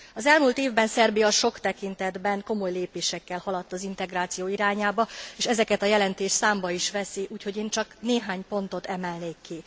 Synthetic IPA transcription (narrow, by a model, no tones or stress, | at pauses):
ɒzɛlmuːlt̪eːvbɛnsɛrbijɒʃo̞kt̪ɛkint̪ɛd̪bɛŋko̞mo̞jleːpeːʃɛkːɛlhɒlɒt̪ːɒzin̪t̪ɛɡraːt̪sijoːiɾaːɲaːbɒeːʃɛzɛkɛt̪ɒjɛlɛnt̪eːʃsaːmbɒiʃʋɛsiʔuːcho̞ɟeːnt͡ʃɒkneːɦaːɲpo̞nt̪o̞t̪ɛmɛlneːkːi